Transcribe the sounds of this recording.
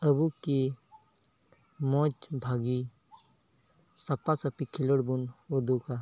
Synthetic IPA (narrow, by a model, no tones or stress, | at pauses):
əbuki | mɔ̃ːt͡ʃbʱaːɡi | sɐpasɐpikʰiləɽbunod̪uka